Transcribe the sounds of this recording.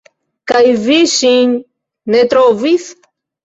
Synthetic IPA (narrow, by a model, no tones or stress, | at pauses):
kajviʃiɲ | net̪ɾoviθ